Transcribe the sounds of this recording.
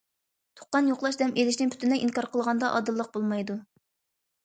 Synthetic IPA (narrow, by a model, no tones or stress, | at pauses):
t̪ʰo̥qːɑnjoqlˠɑʃ̬d̪ɛmʔelɪʃ̬nɪŋpʰy̥t̪ʰɪnɛʔiŋkɑɾqəlˠʁɑnd̪ɑʔɑ̰d̪ɨlˠːəq̚bolˠmɑjd̪u